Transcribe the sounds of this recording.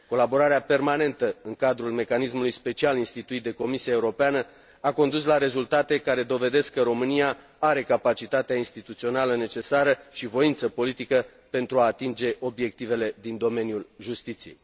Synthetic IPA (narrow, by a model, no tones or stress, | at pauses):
ko̞labo̞ɾaɾeape̞rmane̞nt̪əɨŋkad̪ɾulme̞kanismulujspe̞t͡ʃialinst̪it̪uit̪̚d̪e̞ko̞misiaeuɾo̞peanə | ako̞nd̪uslaɾe̞zult̪at̪e̞kaɾe̞d̪o̞ve̞d̪e̞skːəɾo̞mɨnia | aɾe̞kapat͡ʃit̪at̪eainst̪it̪ut̪sio̞naləne̞t͡ʃe̞saɾəʃivo̞int̪səpo̞lit̪ikə | pe̞nt̪ɾuaːt̪ind͡ʒe̞ʔo̞bje̞k̚t̪ive̞le̞d̪ind̪o̞me̞njulʒust̪it̪sije̞̰j